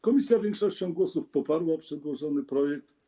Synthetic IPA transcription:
kɔmʲisʲjavʲjɛŋkʂɔɕt͡ɕɔ̃w̃ɡwɔsufpɔpaɾwapʂɛd̪wɔʐɔnɘpɾɔjɛk̚t̪

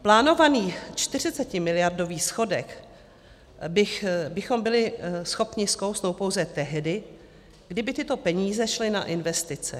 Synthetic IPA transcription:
plaːno̞vaniːt͡ʃt̪ɪr̝ɪt͡sɛcɪmɪlɪjardo̞viːsxo̞dɛk | bɪxbɪxo̞mbɪlɪsxo̞pɲɪskowsnowpo̞wzɛt̪ɛɦdɪ | ɡdɪbɪt̪ɪt̪o̞pɛɲiːzɛʃlɪnaʔɪnvɛst̪ɪt͡sɛ̰

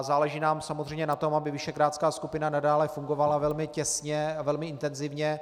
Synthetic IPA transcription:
zaːlɛʒiːnaːmsamozr̝ɛjmɲɛnat̪o̞mabɪvɪʃɛkɾaːt̪skaːskupɪnanadaːlɛfuŋɡo̞valavɛlmɪcɛsɲɛavɛlmɪɪnt̪ɛnzɪvɲɛ

